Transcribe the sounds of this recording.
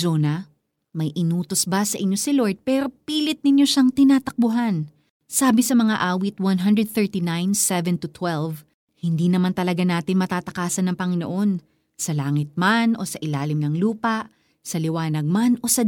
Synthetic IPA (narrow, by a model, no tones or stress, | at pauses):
oːnɐ | mɐjʔɪnuːt̪o̞sbasɐʔɪɲjo̞sɪlo̞ɹd̪̚pɛːɾo̞piːlɪt̪̚nɪɲjo̞ʃaŋt̪ɪnaːt̪ɐk̚bʊɦan | saːbɪsɐmɐŋaʔaːwit̪̚wɐnɦɐnd̪ɹɛd̪̚θɛɹt̪inajnsɛvɛnt̪ʊt̪wɛlv | hɪnd̪iːnɐmant̪ɐlɐɡanaːt̪ɪnmɐt̪aːt̪ɐkaːsɐnɐŋpɐŋɪnoʔo̞n | sɐlaːŋɪt̪̚manʔo̞̰sɐʔɪlaːlɪmnɐŋluːpɐʔ | sɐlɪwaːnɐɡ̚mano̞sɐ